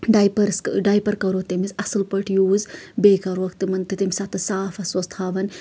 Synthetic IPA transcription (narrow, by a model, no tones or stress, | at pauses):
ɖaːjpɐɾsɖaːjpɐɾkɐɾot̪emizɐsɨlpɐʈʰjuːzbeːkɐɾoɐkt̪imɐnt̪it̪imʲsɐt̪ɨsaːfɐsɐst̪ʰaːʋɐn